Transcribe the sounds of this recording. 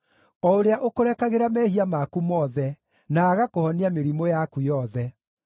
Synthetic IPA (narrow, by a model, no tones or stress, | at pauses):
ɔoɾeaʔokoɾɛkaɣeɾamɛːhiamakumɔːðɛ | naːɣakohɔniameɾimojakujɔðɛ